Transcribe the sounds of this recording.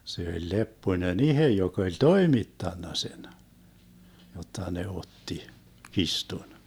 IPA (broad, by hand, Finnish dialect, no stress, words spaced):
se olʲ lepːoĭnen ihe jok olʲ toimitːɑnːɑ sen jotːɑ ne otːi kistun